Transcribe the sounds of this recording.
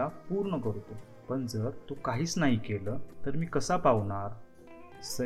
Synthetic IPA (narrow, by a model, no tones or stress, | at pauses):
apuɾɳəkəɾt̪o | pəɳd͡zəɾt̪okaɦiːt͡snaɦikeləːt̪əɾmiːkəsapaʋɳaɾ | sə